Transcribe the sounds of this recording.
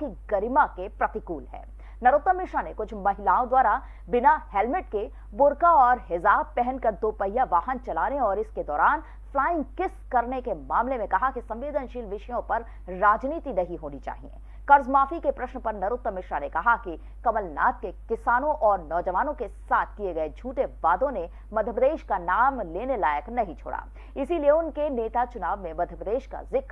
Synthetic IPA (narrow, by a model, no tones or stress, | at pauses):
kiɡɐɾɪmakepɾɐt̪ɪkuːlɦɛ̰ː | nɐɾʊːt̪ːəmɪʃanekʊt͡ʃʰmɐɦɪlaːõd̪waːɾa | bɪnahɛːlmɪʈke | bʊɾkaɔːɾɦɪzaːb̚pɛɦənkɐɾd̪oːpəjaʋaːɦənt͡ʃɐlaːneɔːɾɪsked̪ɔːɾaːn | flaːɪ̃ŋɡkɪskɐɾnekemaːmlemẽkɐɦakisɐ̃mʋeːd̪ənʃiːlʋɪʃəjõpɐɾː | aːd͡ʒniːt̪inɐɦiɦoːnit͡ʃa̰ːɦiḛ̃ː | kɐɾzmaːfikepɾɐʃnpɐɾnɐɾʊt̪ːɾəmɪʃɾanekɐɦaki | kɐməlna̰ːt̪̚kekɪsaːnõʔɔːɾnɔːd͡ʒɐʋaːnõkesaːt̪ʰkieɡɐed͡ʒʱuːʈeʋaːd̪õne | mɐd̪ʱjəpɾəd̪eːʃkanaːmleːnelaːjəknɐɦĩt͡ʃʰo̰ːɽʔa̰ː | ɪsilijeʊnkeneːt̪at͡ʃʊnaːʋmẽmɐd̪ʱjəpɾəd̪eːʃka̰zɪk